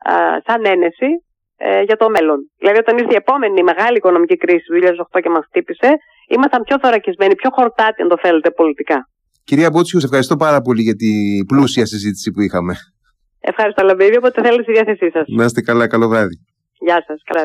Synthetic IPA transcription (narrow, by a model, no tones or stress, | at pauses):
sɐne̞ne̞si | ʝɐt̪o̞me̞lo̞nðilɐðiot̪ɐniɾθeie̞po̞me̞nime̞ɣɐliːko̞no̞micikɾisi̥ðuçiʎɐðesoxt̪o̞cemɐsxt̪ipise̞ | imɐst̪ɐmpço̞θo̞ɾɐcizme̞nipço̞xo̞ɾt̪ɐt̪iɐ̰nd̪o̞θe̞let̪e̞po̞lit̪ikɐ | ciɾiɐbot͡sçuse̞fxɐɾist̪o̞pɐɾɐpo̞liʝɐt̪iblusiɐsizit̪i̥sipuixɐme̞ | e̞̰fxɐɾist̪olovivioot̪eθelet̪esiðiɐθesisɐsnɐst̪ekɐlɐkɐlo̞vɾɐði | ʝɐsɐskɐlɐ